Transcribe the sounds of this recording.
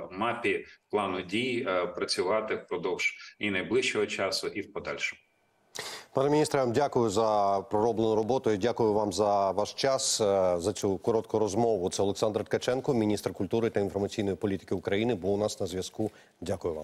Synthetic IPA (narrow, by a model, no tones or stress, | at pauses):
mɑpʲiplˠɑnʊdʲijpɾɐt͡sʲʊʋɑt̪ɪwpɾɔd̪ɔwʒ̥inɐjblˠɪʃt͡ʃɔɦɔt͡ʃɑsʊʔiwpɔd̪ɑ̰lʲʃɔmʊ | pɑnemʲnʲist̪ɾɐʋmdʲakʊjʊzɐpɾɔɾɔblˠenʊɾɔbɔt̪ʊidʲakʊjʊʋɑmzɐʋɑʃt͡ʃɑszɐt͡ssʲukɔɾɔt̪̚kʊɾɔzmɔʋʊɔt̪sɛɔlˠeksɑnd̪rt̪kɐt͡ʃɛnkɔmʲinʲist̪rkʊlʲt̪uɾɪt̪ɐinfɔɾmɐt͡sʲijnɔjipɔlʲit̪ɪ̥kɪʊkɾɐjinɪbulˠnɑsnɐzʲʋjɐsku | dʲakʊjʊʋɑ̰m